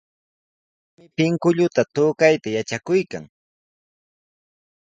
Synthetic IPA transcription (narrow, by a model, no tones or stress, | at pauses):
mɪpɪŋkʊʎʊt̪at̪ʊːkajt̪ajat͡ʃakʊjkaŋ